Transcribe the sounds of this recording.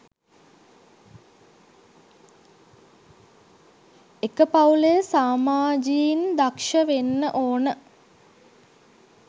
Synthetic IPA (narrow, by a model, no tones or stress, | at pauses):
ekəpaulejəsaːmaːd͡ʒiind̪akʂəʋenːəʔoːnə